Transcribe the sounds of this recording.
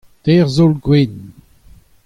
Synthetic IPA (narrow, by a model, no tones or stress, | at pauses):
tɛʁzolɡwen